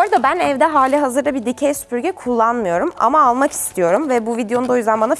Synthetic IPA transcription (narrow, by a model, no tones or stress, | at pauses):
o̞ɾad̪abænɛvd̪ɛɦaːlʲɛɦazɯɾabid̪icʰejsy̥pyɾɟʲɛkʰulˠːanmɯjo̞ɾuma̰maːlˠmaki̥st̪ʰijo̞ɾumvɛbuvid̪ejond̪ao̞jyzd̪ænbana